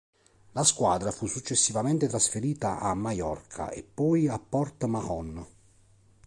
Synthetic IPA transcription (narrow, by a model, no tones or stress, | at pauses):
laskwaːd̪ɾafusːut͡ʃːesːivament̪et̪ɾasfeɾiːt̪aʔamːajɔrkʰa̰ʔḛpːɔːjapːɔrt̪mahɔn